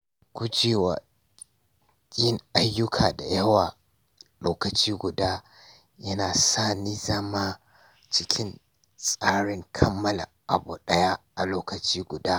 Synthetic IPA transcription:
kʷʊ˦d͡ʒeː˨wa̰˨ | kʲʼɪ˦ŋʔa˦jːʊ˦kʰaː˨da̰˨jɐ˦waː˨ | loː˦kɐ˨t͡ʃiː˦ɡʷʊ˨daː˦ | jɐ˦naː˨saː˦niː˦zɐ˦maː˦ | t͡ʃɪ˦kʲʰɪ˦n | sʼaː˦ɽɪ˦ŋkʰɐ˦mːɐ˦lɐ̰˨ʔa̰˨bṵː˨ɗɐ˦ja˦ʔa˨loː˦kɐ˨t͡ʃiː˦ɡʷʊ˨daː˦

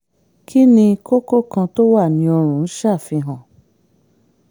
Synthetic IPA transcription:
kʰi˦nĩ˧ko˦ko˦˨kã˧to˦wa˦˨nĩ˧ɔ˧ɾ̃ũ˨˦n̩˦ʃa˦˨fĩ˧ɦã˨

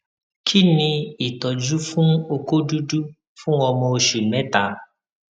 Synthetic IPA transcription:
kʰi˦nĩ˧i˨tɔ˨d͡ʒu˦fũ˦o˧ko˦du˦du˦ | fũ˦ɔ˧mɔ̃˧o˧ʃu˨mɛ̃˨˦ta˨˦

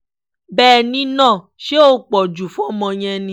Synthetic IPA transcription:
bɛː˦˨nĩ˧˦nãː˦˨ʃe˦o˦k͡pɔ˨d͡ʒu˨fɔ̃˨˦mɔ̃˧ɲ̃ɛ̃˧nĩ˧˦

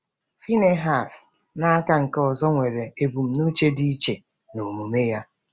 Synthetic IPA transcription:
fi˦ne˦ɦa˨s | na˦a˦ka˦ŋ̩˨kɔ˨zɔ˦ŋʷe˨ɾe˨e˨bu˨m̩˦nu˦t͡ʃe˦di˦t͡ʃe˨ | no˨mu˨me˦ja˦

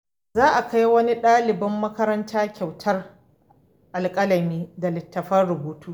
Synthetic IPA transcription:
zaː˦ʔa˨ka˦jwɐ˦ni˦ɗaː˦lɪ˨bɐ˦mːɐ˦kɐ˦ɾɐ˦ntʰaː˦kʲa˨wtʰɐ˦r | ʔa˨lkʼɐ˦lɐ˨miː˦da˨lɪ˨tːɐ˨ɸɐ˦rɽʊ˨buː˦tʰuː˦

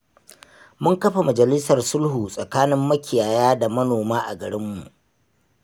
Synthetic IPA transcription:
mʊ˦ŋkɐ˦ɸa˨mɐ˨d͡ʒɐ˨lɪ˦sɐ˨rsʊ˦lhuː˨sʼɐ˨kaː˦nɪ˦mːɐ˦kʲɪ˨jaː˨jaː˦da˨mɐ˦noː˨maː˦ʔa̰˨ɡɐ˨ɽɪ˦mːṵ˨ʔ

